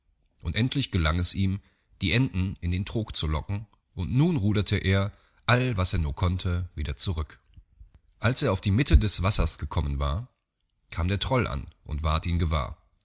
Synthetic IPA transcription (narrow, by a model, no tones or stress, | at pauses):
ʔʊntʔɛntʰlɪçɡ̥əlaŋɛsʔiːm | d̥iːʔɛndn̩ɪndeːntʁ̥oːkt͡sulɔkŋ̩ | ʔʊntnuːnʁuːdɐtʰəʔeːɐ | ʔalvaseːɐnuːɐkʰɔntʰəviːdɐt͡suʁʏk | ʔalsʔeːɐaʊfd̥iːmɪtʰədɛsv̥asɐsɡ̥əkʰɔmənva̰ːɐ | kʰaːmdeːɐtʁ̥ɔlʔa̰nʔʊ̰ntv̥aɐtiːmɡəva̰ːɐ